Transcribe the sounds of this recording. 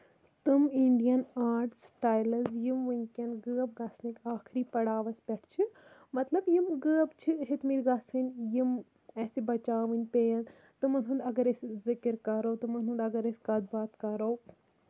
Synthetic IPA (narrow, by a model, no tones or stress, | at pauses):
t̪ɨmiɳɖijɐnaːɾʈsʈaːjlɐzjimʋɨnʲkʲɐnɡɨːɐb̚ɡɐsnikʲaːkʰɾiːpɐɽaːʋɐspʲɛʈʰt͡ʃʰimɐt̪lɐbjimɡɨːɐbt͡ʃʰiɦit̪miːt̪ɡɐsɨnʲjim | ɛsibɐt͡ʃaːʋɨnʲpʲejɐn | t̪ɨmɐnɦɨnd̪ɐɡɐɾeszɪkɨɾkɐɾɐwt̪ɨmɐnɨnd̪ɐɡɐɾesʲkɐd̪̚baːt̪kɐɾɐw